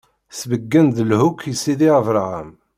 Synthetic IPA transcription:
svəɡːənd̪əlhukʰːisːiðiʁəvɾˤəʁə̰m

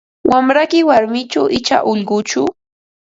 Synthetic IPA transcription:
wʔamɾakɪwaɾmɪt͡ʃaʔɪt͡ʃa̰ʔʊʎɢʊt͡ʃʊ

